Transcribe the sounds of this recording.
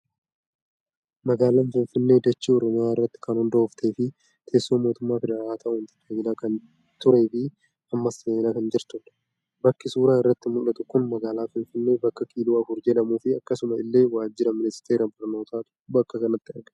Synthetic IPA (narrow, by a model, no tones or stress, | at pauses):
mɐɡaːlɐnfɪnfɪnːe̞ːd̪ɐt͡ʃːiɔɾɔmɪjaːɪrːɐt̪ːɪ̥kɐnhʊnd̪ɐhʊft̪ʰeːfɪ | t̪ʰe̞ːsːoːmo̞ːt̪ʊmːaːfɛd̪ɛɾaːaːt̪ʰɐʊɪnt̪ɪd̪eɲɪnaːkɐn | t̪ʊɾe̞ːfɪ | ɐmːɐsːeːnakɐnd͡ʒɪɾt̪ʊᶑɐ̥ | bɐkːɪsuːɾaːɪrːɐt̪ːɪmʊlɐt̪ʊkːʊnmɐɡaːlaːfɪnfɪnːe̞ːbɐkːɐkʼiːluːɐfʊɾd͡ʒɛᶑɐmuːfɪɐkːɐsʊmɐɪlːe̞ːwaːd͡ʒːɪɾɐmɪnɪst̪eːɾɐbɐɾno̞ːt̪ʰaːt̪ | bɐkːɐkɐnɐt̪ːɪɐɾɡɐ